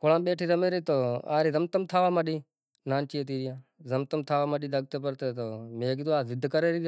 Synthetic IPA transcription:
koɽãːɓeːʈʰiːɾəmeːɾiːt̪oːaːɾiːzəmt̪əmt̪ʰaːʋaːmaɗiː | naːnt͡ʃiːət̪iːɾɪjãːzəmt̪əmt̪ʰaːʋaːmaɗiːd̪əɡ̚t̪eːpəɾt̪eːt̪oːmeːɡit̪oːaːzɪd̪ʱkəɾeːɾiː

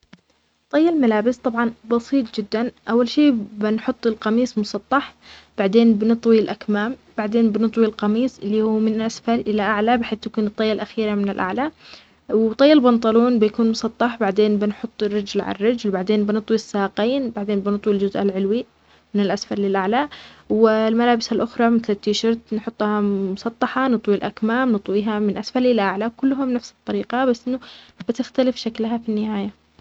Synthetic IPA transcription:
t̪ˤːɑjːɑlmalaːbɪst̪ˤɑbʕɑnbɑsˤiːt̪ˤd͡ʒɪd̪ːanʔawːalʃiːbɪnħʊt̪ˤːɪlqɑmiːsˤmʊsˤɑt̪ˤːɑħb̥aʕd̪eːnbɪnɨt̪ˤwilʔakmaːmb̥aʕd̪eːnbɪnɨt̪ˤwilqɑmiːsʔɪlːiːhuːmɪnɪlʔasfɑɾˤʔɪlaʔaʕlabɪħeːθjakuːnɨt̪ˤːɑjːalʔaxiːɾamɪnɪlʔa̰ʕla | wɪt̪ˤɑjːɑlbɑnt̪ˤɑluːnbɪjakuːnmʊsˤɑt̪ˤːɑħbaʕd̪eːnbɪnħʊt̪ˤːɪrːɪd͡ʒlʕa̰rːɪd͡ʒlbaʕd̪eːnbɪnɨt̪ˤwisːaːqiːnbaʕd̪eːnbɪnɨt̪ˤwild͡ʒʊzʔalʕɪlwi | mɪnɪlʔasfaɾlɪlʔaʕlaʔwɪlmalaːbɪsalʔʊxɾˤɑmɪθlɪt̪ːiʃɑɾˤt̪nħʊt̪ˤːhɑmʊsˤɑt̪ˤːɑħɑnɨt̪ˤwilʔakmaːmnɨt̪ˤwiːɦamɪnʔasfallɪlʔaʕlawkʊlːɦamnafsɨ̥t̪ˤːɑɾiːqɑbasːʔɪnːʊb̥ɪt̪ɪxt̪alɪfʃaklɦafinːɪhaːja

